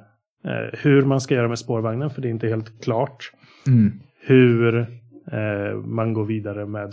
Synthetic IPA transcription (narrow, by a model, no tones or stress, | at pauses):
hɵɾmanskajœːɾamɛspoːɾvaŋnənfœɖɛɪnt̪əheːlt̪kʰlɑːʈ | hɵɾ | manɡoːɾviːd̪aɾəmɛːd̪